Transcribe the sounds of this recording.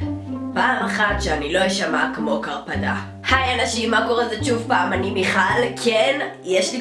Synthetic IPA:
paːmaχatʃeanilo̞jeʃamakmo̞kaʁpada̰ | hajanaʃimːako̞ʁezeʃuvpaːmanibiχalkʰenjeʃli

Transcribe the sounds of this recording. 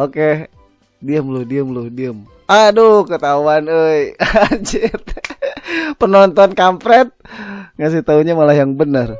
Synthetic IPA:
oke | diəmlʊhdiəmlʊhdiəm | adohkət̪auanəjad͡ʒɪt̪̚ | pənɔnt̪ɔnkampɾɛt̪̚ŋasɪht̪auɲamalahjaŋbənər

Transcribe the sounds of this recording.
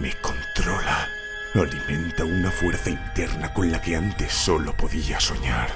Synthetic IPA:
me̞ko̞nt̪ɾo̞la | olimẽ̞nt̪aunafwe̞ɾθaint̪e̞ɾnakõ̞nlake̞ant̪e̞sːo̞lo̞po̞ðiaso̞ɲaɾ

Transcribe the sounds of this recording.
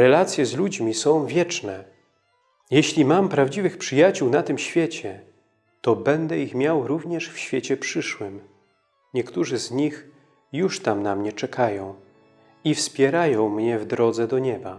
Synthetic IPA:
ɾɛlat̪sʲjɛzlud͡ʑmʲisɔ̃w̃vʲjɛt͡ʂnɛ | jɛɕlʲimampɾavd͡ʑivɘxpʂɘjat͡ɕuwnat̪ɘmɕfʲjɛt͡ɕɛ | t̪ɔbɛnd̪ɛixmʲjawɾuvɲɛʂfɕfʲjet͡ɕɛpʂɘʂwɘm | ɲɛkt̪uʐɘzɲix | juʂt̪amnamɲɛt͡ʂɛkʰajɔ̃w̃ | ifspʲjɛɾajɔ̃w̃mɲɛvd̪ɾɔd̪zɛd̪ɔɲɛba

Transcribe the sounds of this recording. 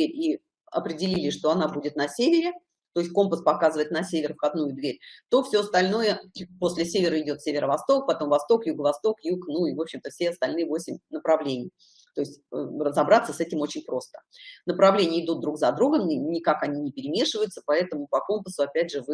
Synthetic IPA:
eɾʲi | ɐ̰pɾʲɪdʲɪlʲilʲɪʂt̪o̞ɐnabudʲɪt̪nɐsʲevʲɪɾʲɪ | t̪o̞ɪsʲt̚ʲko̞mpəspɐkazɨvəɪt̪nɐsʲevʲɪrfxɐd̪nujʊd̪vʲeɾʲt̪o̞fsʲoɐst̪ɐlʲno̞jəpo̞sʲlʲɪsʲevʲɪɾəɪdʲo̞t̪sʲevʲɪɾəvɐst̪o̞k̚pɐt̪o̞mvɐst̪o̞kjuɡəvɐst̪o̞kjuknuivo̞pɕːɪmt̪əfsʲeɐst̪ɐlʲnɨjəvo̞sʲɪmʲnəpɾɐvlʲenʲɪ̰j | t̪o̞ɪsʲtʲə̰rəzɐbɾat̪sːəsɛtʲɪmo̞t͡ɕɪnʲpɾo̞st̪ə̥nəpɾɐvlʲenʲɪjəɪd̪ut̪̚d̪ɾukzɐd̪ɾuɡəmnʲɪkakɐnʲinʲɪpʲɪɾʲɪmʲeʂɨvəjʊt̪səpɐɛt̪əmʊpɐko̞mpəsʊɐpʲædʲʐɨvɨ

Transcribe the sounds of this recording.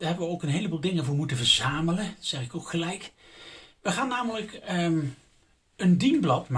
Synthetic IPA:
d̥aːɹɦɛbəʋəowkənɦejləbuːlˠdɪŋəvʊːɹmutəvəɹzaːmələsɛχɪkokχəlɛjk | ʋəχaːnːaːmələkə | əndinblɑtm

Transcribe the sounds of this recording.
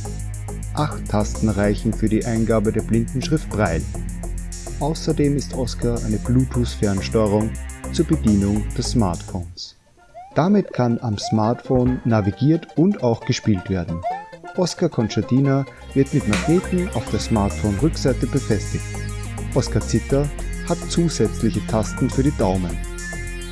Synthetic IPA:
ʔaχtʰːastn̩ʁaɪçn̩fyːɐdiːʔaɪnɡaːbədeːɐblɪndn̩ʃʁ̥ɪft̚b̥ʁaɪl | ʔaʊsɐdeːmɪstʔɔskʰaɐʔaɪnəbluːtʰusfɛɐnʃtɔʁʊŋt͡suːɐbədiːnʊŋd̥ɛsːmaɐtfoːns | d̥amɪtkʰanamsmaɐtfoːnːaviɡiːɐtʊntaʊxɡ̥əʃpiːltv̥eːɐdn̩ʔɔskakʰɔnt͡ʃadiːna | vɪɐtmɪtmaɡneːtn̩aʊfd̥eːɐsmaɐtfoːnʁʏkz̥aɪtəbəfɛstɪçtʔɔskat͡sɪtɐhatt͡suːzɛt͡slɪçətʰastn̩fyːɐɾdidaʊmən

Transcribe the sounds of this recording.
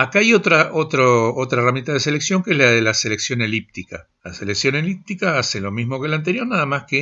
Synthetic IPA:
akaajo̞t̪ɾaʔot̪ɾoot̪ɾaeram̃nt̪aðeseleksjo̞ŋkeezlaðe̞lase̞le̞ksjo̞ne̞lip̚t̪ika̰ | lase̞leksjo̞ne̞lip̚t̪ikaaselo̞mizmo̞kelant̪̬e̞ɾjo̞ɾnaðamaske

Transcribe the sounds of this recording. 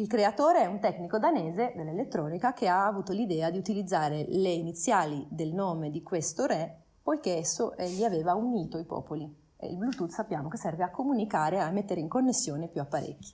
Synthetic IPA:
ilkɾeat̪oːɾeɛunt̪ɛknikod̪aneːzed̪elːelet̪ːɾɔːnikak̟eaːvuːt̪olid̪ɛːad̪iut̪ilid̪zːaːɾeleinit̪sːjaːlid̪elnoːmed̪ikwest̪oɾɛ | pojkeɛsːoʔɛʎiaveːvauɲiːt̪oipɔ̰ːpoli | ḛḭlblut̪ut̪sapːjaːmokesːɛrveakːomunikaːɾeamːet̪ːeɾeiŋkonːesːjoːnepjuapːaɾḛkːi̥

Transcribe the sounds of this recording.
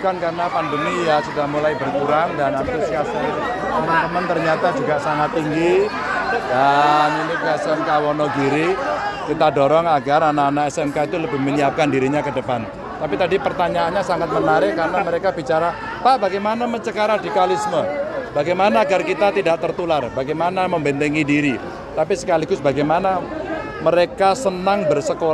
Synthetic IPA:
kankarənapandəmijasudahmulajbərkuɾaŋdanabɪskasɪ | t̪əmənt̪əmənt̪ərɲat̪ad͡ʒuɡaʔsaŋat̪ːiŋɡi | d̥aninikəɛsɛmkawɔnɔɡiɾikit̪adɔɾɔŋaɡaranaːnaʔɛsɛmkait̪uləbɪhməniap̚kandiɾiɲakədəpan | t̪apit̪adipərt̪aɲaːnɲasaŋat̪̚mənaɾɪʔkːarnaməɾekabit͡ʃaɾa | paʔbaɡajmanaməɲt͡ʃəkaɾadikalisməb̥aɡajmanaːɡarkit̪at̪idaʔt̪ərt̪ularbaɡajmanaməmbɛnt̪eŋidiɾi | t̪apisə̥kaliɡʊsbaɡajmana | məɾekasənaŋbərsəko

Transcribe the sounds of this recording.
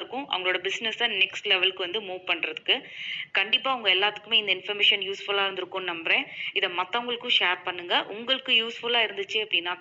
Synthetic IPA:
ɾɯkːʊ̃ʔɐ̰ʋɐŋɡɐɭoːɽɐbɪsnɛsaːnɛksʈlɛʋɛlkɯʋɐnd̪ɯmuːʋpɐɳːɾɐðɯkːɯkɐɳɖɪpːaːʊŋɡɐɛlːaːt̪ːɯ̥kːɯmeːɪnd̪ɐɪnfɐɾmeːʂɐnjuːsfʊlaːɪɾɯnd̪ɯɾɯkːʊ̃nnɐmbɾẽːɪðɐmɐt̪ːɐʊŋɡɐɭɯkːʊ̃ʂeːɾpɐɳːɯŋɡɐʔʊŋɡɐɭɯkːɯjuːsfʊlaːɪɾɯnd̪ɯt͡ʃːɯɐpːɐɽɪnːaː

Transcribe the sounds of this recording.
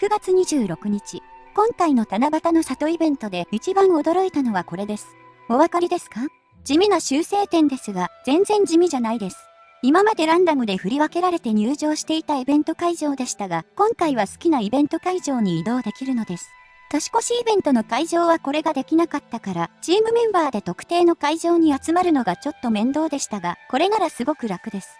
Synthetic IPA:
kɯ̟ɡat͡sɨɲ̟iʑɨːɾo̞kɯ̟ɲ̟it͡ɕikõ̞ŋkaino̞t̪anabat̪ano̞sat̪o̞ibẽ̞nt̪o̞d̪eit͡ɕibãɰ̃o̞d̪o̞ɾo̞it̪ano̞β̞ako̞ɾe̞d̪e̞sɨ̥ | o̞βakaɾʲid̪e̞sɨ̥ka | d͡ʑimʲinoɕɨːse̞ːt̪ẽ̞nd̪e̞sɨɡaz̥ẽ̞nzẽ̞ɲ̟d͡ʑimʲiʑanaid̪e̞sɨ̥ | imamad̪e̞ɾãnd̪amɯ̟d̪e̞ɸɯ̟ɾʲiβake̞ɾaɾe̞t̪e̞ɲ̟ɨːʑo̞ːɕi̥t̪e̞it̪aibẽnt̪o̞kaiʑo̞ːd̪e̞ɕi̥t̪aɡakõ̞ŋkaiβ̞asɨ̥kʲinaibẽ̞nt̪o̞kaiʑo̞ːɲ̟iːd̪o̞ːd̪e̞kʲiɾɯ̟no̞d̪e̞sɨ̥ | t̪aɕi̥ko̞ɕiːbẽ̞nt̪o̞no̞kaiʑo̞ːβako̞ɾe̞ɡad̪e̞kʲinakat̪ːakaɾat͡ɕiːmɯ̟mẽ̞mbaːd̪e̞t̪o̞kɯ̟̥t̪e̞ːno̞kaiʑo̞ːɲ̟iat͡sɨmaɾɯ̟no̞ɡat͡ɕo̞t̪ːo̞mẽ̞nd̪o̞ːd̪e̞ɕi̥t̪aɡako̞ɾe̞naɾasɨɡo̞kɯ̟ɾakɯ̟d̪e̞sɨ̥

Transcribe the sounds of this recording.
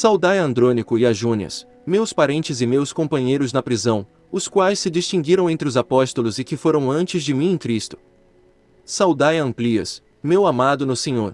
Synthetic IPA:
sawd̪ajɐ̃nd̪ɾõnikʊɪaʒũniɐ̰s | mewspaɾẽnt͡ʃɪzɪmewskõpɐ̃ɲejɾʊznɐpɾizɐ̃w̃ | ʊskwajsːɪd͡ʒist͡ʃĩŋɡiɾɐ̃w̃ẽnt̪ɾɪʊzapɔst̪ʊlʊzɪkɪfoɾɐ̃w̃ɐ̃nt͡ʃɪzd͡ʒɪmĩẽkɾist̪ʊ̥ | sawd̪ajɐ̃mpliɐ̰s | mewamad̪ʊnʊsẽɲoɾ

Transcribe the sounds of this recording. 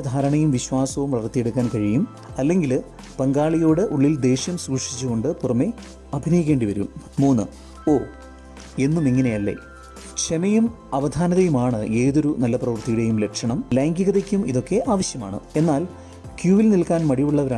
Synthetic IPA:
ɐd̪ʱaːɾɐɳɐjumʋiɕwaːsɐʋumprɐʋɐrt̪ːije̞ɽukːaːnkɐɻijum | ɐlːe̞ŋɡil | pɐŋɡaːɭijo̞ːɽɨʔuɭːild̪e̞ːɕjɐmsuːʂi̥t͡ɕːuɣo̞ɳɖɨpurɐmːe̞ | ɐbʱinɐjikʲːe̞ːɳɖiʋɐɾṵmːuːnːɨ | o̞ː | e̞nːumiŋːɐne̞jɐlːḛ | kt͡ɕemɐjum | ɐʋɐd̪ʱaːnɐðɐjumaːɳɨe̞ːðo̞ɾunɐlːɐprɐʋɐrt̪ijuɽe̞jumle̞kʂɐɳɐmlaːŋɡiɣɐðɐkʲːumiðo̞kːe̞ʔaːʋɐɕjɐma̰ːɳɨ̰e̞nːaːl | kjuːʋilnilkaːnmɐɽijuɭːɐʋɐɾaː

